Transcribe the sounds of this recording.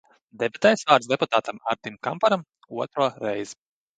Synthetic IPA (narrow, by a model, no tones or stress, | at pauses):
d̪ɛbat̪ɛjsvaːɾt̪sd̪ɛput̪aːt̪ama̰ɾd̪imkampaɾam | uɔt̪ɾuɔɾɛjz̥